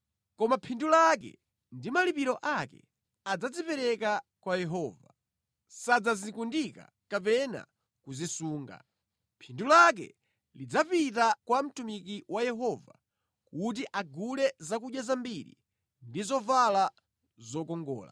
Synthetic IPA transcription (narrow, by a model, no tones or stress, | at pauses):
kɔmapʰindulak̬ɛ̰ | ndimalipiɾɔʔakɛ̰ | ad͡zad͡zipɛɾɛkakwajɛɦɔːva | sad͡zazikundika̰ | kapɛna̰ | kuzisuːŋɡa̰ | pʰindulak̬ɛ̰ | lid͡zapitakwam̩tumikiwʔajɛɦɔva | kut̬iʔaɡulɛzakuɗjazambiɾḭ | ndizɔvala | zɔkɔŋɡɔ̰ːla̰